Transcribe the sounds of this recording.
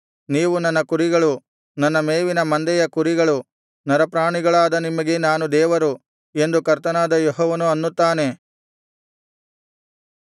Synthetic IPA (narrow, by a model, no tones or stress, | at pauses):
niːʋunɐnːɐkuɾiɡɐɭu | nɐnːɐmeːʋinɐmɐnd̪ɛjɐkuɾiɡɐɭu | nɐɾɐpɾaːɳiɡɐɭaːd̪ɐnimːɐɡe̞naːnud̪ɛːʋɐɾu | e̞nd̪ukɐɾt̪ɐnaːd̪ɐjɔɦɔːʋɐnuɐnːut̪ːaːne̞